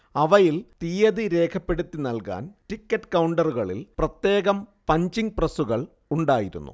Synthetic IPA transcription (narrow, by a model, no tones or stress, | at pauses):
ɐʋɐjilt̪ijɐðiɾe̞ːkʰɐpːe̞ɽut̪ːinɐlka̰ːnʈikːɐʈːkɐwɳɖɐruɣɐɭilprɐt̪je̞ːɣɐmpɐɲd͡ʑiŋɡ̚prɐsuɣɐɭ | uɳɖaːjiɾṵnːṵ